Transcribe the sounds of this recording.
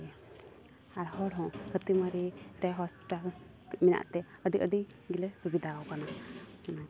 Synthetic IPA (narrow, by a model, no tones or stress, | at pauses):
aɾhɔɽɦɔ̃hət̪imaɾiɾɛɦɔsʈa | mina̰ʔt̪ɛ | əɖiʔəɖi | ɡilɛsubid̪ʱawkana